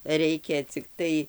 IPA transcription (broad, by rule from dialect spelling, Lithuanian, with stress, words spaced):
ˈrʲɛɪkʲɛ t͡sʲɪkˈtɐɪ